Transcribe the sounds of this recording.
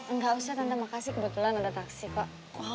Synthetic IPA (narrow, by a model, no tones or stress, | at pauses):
əŋɡaʔusaht̪ant̪imakasikəbut̪ulanadat̪aksipaʔ